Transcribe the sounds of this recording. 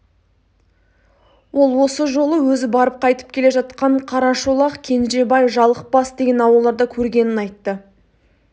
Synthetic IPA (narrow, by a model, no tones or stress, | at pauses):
wo̞lˠwo̞səʒo̞lˠəwɵzɪbɑɾəp̚qʰɑjt̪ə̥p̚kʲʰe̞le̞ʒɑt̪qɑɴqʰɑɾɑʃulˠɑqkʲʰe̞nʒe̞bɑjʒɑlˠəq̚bɑsd̪e̞ɡʲe̞nɑwɑlˠd̪ɑɾd̪ɑkʲʰɵɾɡʲe̞nɪnɑjt̪ːə